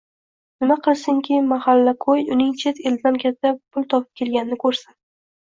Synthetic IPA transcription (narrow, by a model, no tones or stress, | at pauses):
nɪmaqʰɨlˠsɪŋkʲʰɪmahalːaqʰojʊnɪŋt͡ʃʰe̞t̪e̞ld̪ɪd̪ankʲʰat̪ʰːapʰʊlˠt̪ʰɒpʰɪ̥p̚kʲʰe̞lɡʲanɪnɪkʰɵɾsa